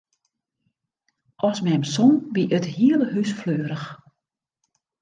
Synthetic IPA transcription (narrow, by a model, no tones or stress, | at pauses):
ʔɔsmɛmsɔnbiʔəthiələɦysfløːɾəx